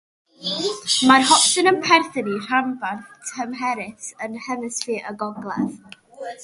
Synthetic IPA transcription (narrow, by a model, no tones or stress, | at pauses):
marɦɔpsɨnənpʰɛrθɪnir̥amvantʰəmɦɛɾɪsənhɛnɨsfiːʔəɡɔɡlˠɛ̰ð